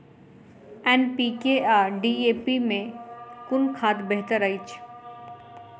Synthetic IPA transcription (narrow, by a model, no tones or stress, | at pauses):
ɛnpikeaːɾɖiepimẽkʊnkʰaːt̪beɦt̪əɾəit͡ʃʰ